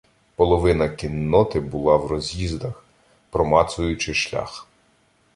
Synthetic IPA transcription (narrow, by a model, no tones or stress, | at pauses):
pɔlˠɔʋɪnɐkʲinːɔt̪ɪbʊlˠɑwrɔzʲjizd̪ɐx | pɾɔmɑt̪sʊjʊt͡ʃɪʃlʲa̰x